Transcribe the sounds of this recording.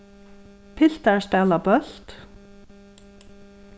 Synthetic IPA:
pʰɪl̥t̪aɹst̪ɛːlapœl̥t̪

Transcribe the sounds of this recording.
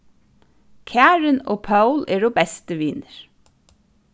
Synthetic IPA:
kʰæːɹɪno̰ːpʰɑʉlʔeːɖoːbɛst̪əʋiːnəɹ

